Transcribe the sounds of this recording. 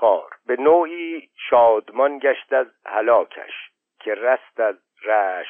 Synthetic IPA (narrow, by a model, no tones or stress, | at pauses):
ɒːɾbe̞noːiːʃɒːd̪mɒnɟæʃt̪æzhælɒːcʰæ̰ʃ | kʰeræst̪æz | ræːʃ